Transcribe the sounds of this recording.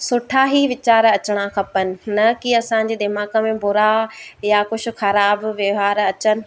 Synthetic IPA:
sʊʈʰaːɦiʋɪt͡ɕaːɾɐt͡ɕɪɽ̃axɐpənɪ̆nɐkiɐsãːɲ̆d͡ʑeːd̪ɪmaːkə̆mẽbʊɾajakʊd͡ʑʰʊ̆xɐɾaːbʋjɐɦaːɾɐt͡ɕənɪ̆

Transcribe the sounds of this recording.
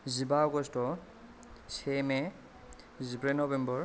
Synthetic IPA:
zibaɔɡɔstɔ | semɛ | zibɹɛnɔbɛmbɔɹ

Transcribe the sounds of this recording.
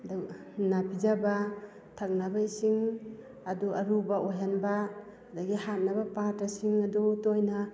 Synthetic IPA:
da | napʰid͡ʒaba | tʰak̚nabajsiŋ | aduaɾubaʔojɦanbaː | daɡihat̚nabapatːasiŋadutojna

